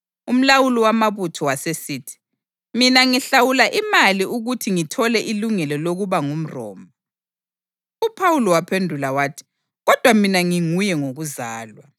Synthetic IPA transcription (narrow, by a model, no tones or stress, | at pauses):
um̩lawuliwamaβutʰɔwasesiːtʰi̥ | minaŋiɬawulaʔimaliʔuɣutʰiŋitʰɔlɛʔiluŋɛlɔloɣuβaŋum̩rɔ̰ːmba | upʰawulɔwapʰendʱulawaːtʰi̥ | ɣɔd̥ʱwaminaŋiŋujɛŋoɣuzaːlwa